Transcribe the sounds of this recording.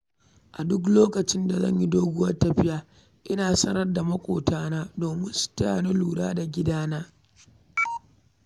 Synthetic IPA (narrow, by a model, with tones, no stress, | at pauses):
ʔa˨dʊ˦k̬loː˦kɐ˨t͡ʃɪ˦nda˨zɐ̰˦ɲji˦doː˦ɡʷʊ˦wɐ˦rtɐ˨ɸɪ˦jaː˦ | ʔɪ˦naː˨sɐ˦ɾɐ˦rda˨mɐ˦kʷoː˨tʰaː˦naː˦doː˨mɪ˦nsʊ̥˨ta˦aː˨ne˦luː˨ɽa̰ː˦da˨ɡʲɪ˦daː˦naː˦